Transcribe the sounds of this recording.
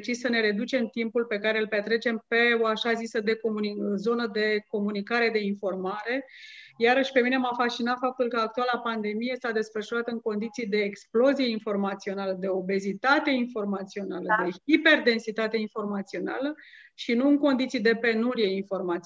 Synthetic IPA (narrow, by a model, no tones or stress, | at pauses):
t͡ʃissəne̞ɾe̞d̪ut͡ʃe̞mt̪impulpe̞kaɾe̞ɨlpe̞t̪ɾe̞t͡ʃe̞mpe̞oaʃazisəd̪e̞komunizo̞nəd̪e̞ko̞munikaɾe̞d̪e̞info̞rmaɾe̞jaɾəʃʲpe̞mine̞mafast͡ʃinat̪fap̚t̪ulkəak̚t̪ualapand̪e̞mijest̪ad̪e̞sfərʃuɾat̪əɨŋko̞nd̪it̪sijd̪e̞ːksplo̞zije̞info̞rmat̪sio̞naləd̪e̞o̞be̞zit̪at̪e̞info̞rmat̪sio̞naləd̪eipe̞rd̪e̞nsit̪at̪e̞info̞rmat̪sio̞na̰lə | ʃinuɨŋko̞nd̪it̪sid̪e̞pe̞nuɾije̞info̞rmat̪s